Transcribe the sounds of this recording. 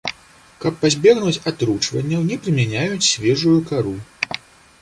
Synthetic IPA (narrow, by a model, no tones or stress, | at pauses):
kɐpːazʲbʲɛɣnut͡sʲat̪ɾut͡ʂvɐnʲːɐwnʲɛpɾɨmʲanʲajut͡sʲsʲvʲɛʐujukaɾu